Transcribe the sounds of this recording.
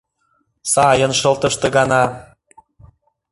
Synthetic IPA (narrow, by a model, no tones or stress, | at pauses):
sɑjənʃɤ̆lˠt̪əʃt̪ə̆ɣɑnɑ